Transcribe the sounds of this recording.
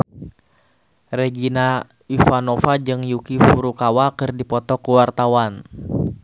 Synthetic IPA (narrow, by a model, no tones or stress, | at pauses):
rɛɡina | ifanɔfad͡ʒɨŋjukifuɾukawakɨrdipɔt̪ɔkuwart̪awan